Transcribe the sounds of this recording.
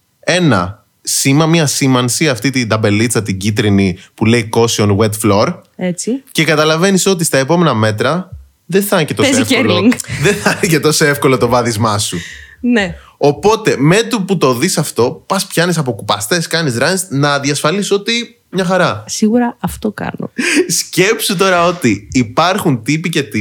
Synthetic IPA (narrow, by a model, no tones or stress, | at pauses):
e̞nɐ̰ | simɐmiɐsimɐnsiɐft̪it̪ind̪ɐbe̞lit͡sɐt̪iɲɟit̪ɾinipule̞iko̞sionɣwet̪flo̞ɾet͡sice̞kɐt̪ɐlɐve̞niso̞t̪̬ist̪ɐe̞po̞me̞nɐme̞t̪ɾɐ | ðeθɐncet̪oezefeliŋɡðeθɐnice̞t̪o̞soefko̞lo̞t̪o̞vɐðizmɐsune | o̞po̞t̪e̞me̞t̪uput̪o̞ðisɐft̪o̞pɐspçɐnisɐp̬o̞kupɐst̪e̞skɐnizɾɐnsnɐðjɐsfɐliso̞t̪i | mɲɐxɐɾɐsiɣuɾɐɐft̪okɐ̰no̰sce̞psut̪o̞ɾɐo̞t̪iːpɐɾxunt̪ipice̞t̪i